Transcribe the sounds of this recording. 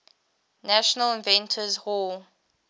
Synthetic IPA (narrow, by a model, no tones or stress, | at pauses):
næʃɔnəlɪ̃nvɛ̃ntʰəzhɔl